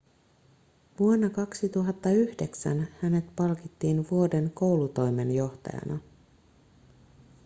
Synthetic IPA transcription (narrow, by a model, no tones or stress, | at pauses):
ʋuonːɑkɑksit̪uɦɑt̪ːɑyhde̞ksæ̰nhæne̞t̪pɑlkit̪ːiːnʋuo̞de̞nko̞wlut̪o̞jme̞njo̞ht̪ɑ̰jɑ̰nʔɑ